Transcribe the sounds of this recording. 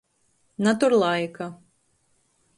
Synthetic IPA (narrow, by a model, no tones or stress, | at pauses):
nat̪uɾlˠajka